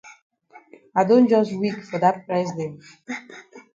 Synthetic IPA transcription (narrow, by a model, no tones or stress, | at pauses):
aɪdõnd͡ʒʌswikfɔðat̚pɹɛzdɛ̃n